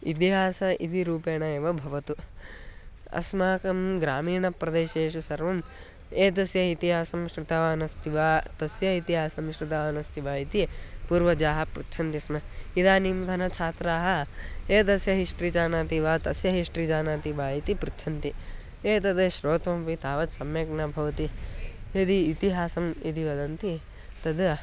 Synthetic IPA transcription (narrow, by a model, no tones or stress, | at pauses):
ḭt̪iɦaːsɐʔḭd̪iɾuːpeːɳɐeʋɐbʱɐʋɐt̪u | ɐ̰smaːkɐmɡɾaːmiːɳɐpɾɐd̪eːʃeːʃusɐɾʋɐm | eːt̪̬ɐsjɐit̪iɦaːsɐmʃɾit̪aʋaːnɐst̪iʋaːt̪ɐsjɐit̪iɦaːsɐmʃɾit̪aʋaːnɐst̪ʰiʋaːit̪ipuːɾʋɐd͡ʒaːɦɐpɾutːʃʰɐnt̪ismɐid̪aːnimd̪ʱɐnɐt͡ʃʰaːt̪ɾaːɦɐ̆eːd̪ɐsjɐɦiʂʈɾid͡ʒaːnaːt̪iʋaːt̪ɐsjɐɦiʂʈɾid͡ʒaːnaːt̪iʋaːit̪ipɾut̪ːʃʰɐnt̪i | eːt̪ɐd̪ɐʃɾoːt̪ʋɐmpit̪aːʋɐt̪sɐmjɐknɐbʱɐʋɐt̪ied̪iːt̪iɦaːsɐmid̪iʋɐd̪ɐnt̪i | t̪ɐd̪